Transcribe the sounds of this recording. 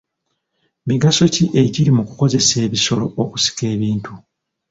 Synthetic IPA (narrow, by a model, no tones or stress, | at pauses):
miɡaso̞ciʔe̞ɟiɾimukuko̞ze̞se̞ːβiso̞lo̞oku̥si̥ke̞ːβiːntʰu